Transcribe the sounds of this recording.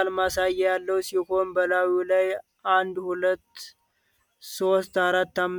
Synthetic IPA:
almasajːɛjalːəwsiho̞nbəlawilaj | ʔand̪hulət̪ː | so̞st̪aɾat̪ːamː

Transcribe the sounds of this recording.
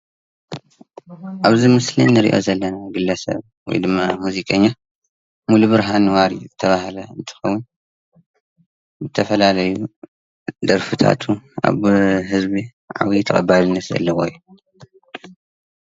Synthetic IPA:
ʔaβzimɨslḭnnːɨɾḭʔo̞̰zɐlːɐnaɡɨlːɐsɐ̰β | wɔ̰jd̪ɨmːamuzikʼɐɲːa | muluβɨɾɦanɨwaɾḭzɨt̪ʰɐβahlɐɨ̰nt̪ʰɨ̥xɐwːʊn | bɨt̪ʰɐfɐlalɐju | d̪ɐɾfɨt̪ʰa̰t̪ʰua̰βɦɨzbi | ʕa̰wit̪ʰɐχʼɐbalɨnːɨt̪ɐ̰lːɐwoju

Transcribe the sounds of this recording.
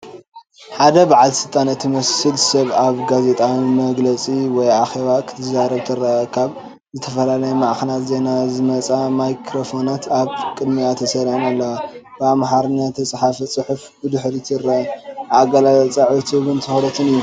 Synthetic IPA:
ħad̪ɐbaʕalsɨt̪ʼanɨt̪ʰimɐsɨlsɐβaβɡaze̞t̪ʼawimɐɡlɐt͡sʼiwɔjaxe̞βakʰɨ̥t̪ʰɐzaɾɐβt̪ʰɨɾɐʔɐkʰaβ | zɨt̪ʰɐfɐlalɐjɐmaʔxɐnat̪ze̞nazɨmɐt͡sʼamajkʰɾofonat̪ʰaβkʼɨd̪miat̪ʰɐsɐɾʕinalːɐwabamhaɾnat̪ʰɐsʼħafit͡sʼɨħufbɨd̪ɨħɾit̪ʰɨɾːɐaɡɐlalɐt͡sʼaʕit̪ʰuβɨnt̪ʰɨxɾɐt̪ʰɨnɨjːu

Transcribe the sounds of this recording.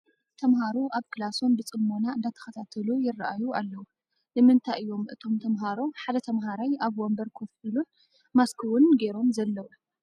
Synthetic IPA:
t̪ʰɐmɦaɾoʔaβkʰɨlaso̞nbɨt͡sʼɨmːonaɨnd̪at̪ʰɐ̥xɐt̪ʰat̪ʰɨlujɪrːaʔajualːɐwu | nɨmɨnt̪ʰajɨjːo̞mʔɨt̪ʰo̞mt̪ʰɐmɦaɾoħad̪ɐt̪ʰɐmɦaɾajaβwombɐɾkʰofɨlun | maskʰɨwʊnɡe̞ɾo̞mzɐlːɐwu

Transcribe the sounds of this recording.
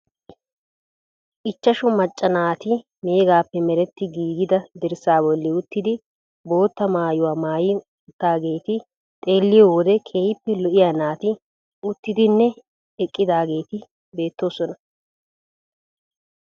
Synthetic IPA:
ʔɪt͡ʃːɐʃʊmɐt͡ʃʼːɐnaːt̪ɪ | me̞ːɡaːpːɛmɛɾɛt̪ːɪɡiːɡɪd̪ɐd̪ɛɾsaːbɔlːɪʊt̪ːɪd̪ɪ | bo̞ːt̪ːɐmaːjʊwaːmaːjɪ | ʊt̪ːaːɡe̞ːt̪ɪ | t̪ʼe̞ːlːɪjɔwɔd̪ɛkʰeːjɪpːɛlɔʔɪjaːnaːt̪ɪ | ʊt̪ːɪd̪ɪnːɛ | ɛkʼːɪd̪aːɡe̞ːt̪ɪ | be̞ːt̪ːo̞ːsɔnɐ

